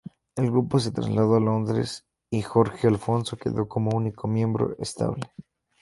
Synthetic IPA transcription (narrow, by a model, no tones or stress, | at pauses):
e̞lɣɾupo̞s̬e̞t̪ɾa̰zlaðoalo̞nd̪ɾe̞̰s | ixo̞ɾxealfo̞nso̞ke̞̰ðo̞ko̞mouniko̞mje̞mbɾo̞̰est̪a̰βle